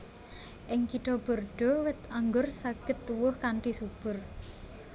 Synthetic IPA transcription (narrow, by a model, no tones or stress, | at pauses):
ʔɪŋkiʈɔb̥o̤rɖ̥ɔ̤wɪt̪aŋɡʊrsaɡ̥ət̪ːuwʊhkaɳʈisub̥ʊ̤r